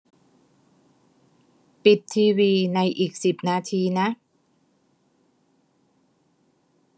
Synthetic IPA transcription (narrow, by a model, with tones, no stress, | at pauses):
pi˨˩t̪ʰːiː˧wiː˧na˧jʔiː˨˩k̚si˨˩p̚naː˧t̪ʰiː˧na˦˥ʔ